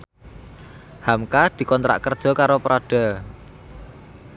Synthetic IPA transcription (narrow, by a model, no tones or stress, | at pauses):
hamkad̪̥i̤kɔnt̪ɾʔa̰ʔkərd̥ʒ̥ɔ̤kaɾopəɾʔaɖ̥a̤